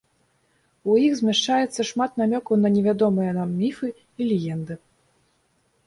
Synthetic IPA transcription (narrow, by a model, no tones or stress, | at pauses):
ujixzʲmʲaʂt͡ʂajɛt̪sːɐʂmat̪namʲɔkunɐnʲɛvʲad̪ɔmɨjɐnamːʲifɨ | ilʲɛjɛnd̪ɨ